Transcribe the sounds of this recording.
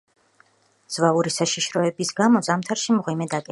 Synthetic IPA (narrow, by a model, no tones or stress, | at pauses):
z̥vauɾisaʃiʃɾɔɛbisɡamɔzamt̪ʰaɾʃimʁwimɛd̪akʼɛ